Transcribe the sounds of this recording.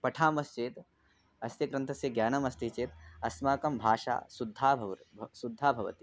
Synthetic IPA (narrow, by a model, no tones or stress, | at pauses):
pɐʈʰaːmɐst͡ʃeːt̪ | ɐst̪jɐkɾɐnt̪ʰɐsjɐɡjaːnɐmɐst̪it͡ʃeːt̪ɐsmaːkɐmbʱaːʂa̰ːsud̪ʱːaːbʱʋsud̪ʱːaːbʱɐʋɐ̰t̪i̥